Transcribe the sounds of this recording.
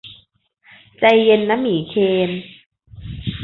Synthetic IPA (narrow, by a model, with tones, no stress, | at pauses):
t͡ɕa˧jːe˧nːa˦˥miː˨˩˦kʰeː˧m